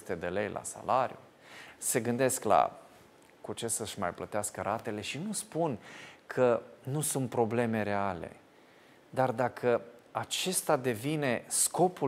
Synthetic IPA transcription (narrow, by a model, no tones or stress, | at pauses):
t̪e̞d̪e̞lejlʔa̰sa̰laɾju | se̞ɡɨnd̪e̞skla̰ | kut͡ʃe̞səʃma̰jplət̪easkəɾat̪e̞le̞ʃinuspunkʰənusunt̪̚pɾo̞ble̞me̞ɾe̞ale̞̰ | d̪ard̪akʰəat͡ʃe̞st̪ad̪e̞vine̞sko̞pu